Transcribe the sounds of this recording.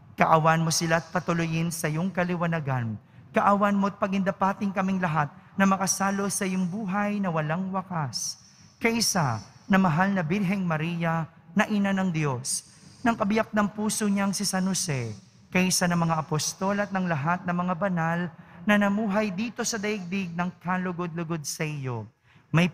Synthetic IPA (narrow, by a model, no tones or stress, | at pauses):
kɐʔawanmo̞sɪlaɐt̪̚pɐt̪ʊlʊjɪnsɐjoŋkɐlɪwɐnɐɡan | kɐʔawanmoɐt̪̚pɐɡɪnd̪ɐpaːt̪ɪŋkɐmɪŋlɐɦat̪̚nɐmɐkɐsaːlo̞sɐjoŋbuːɦɐjnɐwɐlaŋwɐkas | kɐʔɪsanɐmɐɦalnɐbɪlɦɛŋmɐɾiːjɐ | nɐʔinanɐŋd̪jos | nɐŋkɐbɪjak̚nɐŋpuːsoɲaŋsɪsanosɛ | kɐʔɪsanɐŋmɐŋaɐpost̪olɐt̪̚nɐŋlɐɦat̪̚nɐmɐŋabɐnalnɐnɐmuːɦɐjd̪iːt̪o̞sɐd̪ɐjɪɡ̚d̪ɪɡ̚nɐŋkalʊɡod̪̚lʊɡod̪̚sɐʔɪjo | mɐj